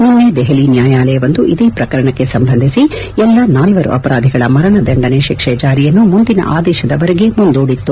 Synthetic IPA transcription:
ninːed̪ɛɦɐlinjaːjaːlɐjɐʋɐnd̪uʔid̪eːpɾɐkɐɾɐɳɐkːesɐmbʱɐnd̪ʱisi | ɛlːɐnaːlʋɐɾṵʔɐpɐɾaːd̪ʱiɡɐɭɐmɐɾɐɳɐd̪ɐɳɖɐneʃikʂɛt͡ʃaːɾijɐnːumund̪inɐ̰ʔaːd̪ɛːʃɐd̪ɐʋɐɾeɡe̞mund̪uːɽit̪ːu

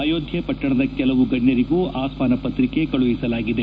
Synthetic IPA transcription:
aːjoːd̪ʱjɐpɐʈːɐɳɐd̪ɐkɛlɐʋuɡɐɳːɐɾiɡuːaːsmaːnɐpɐt̪ɾike̞kɐɭuʋisɐlaːɡid̪e̞

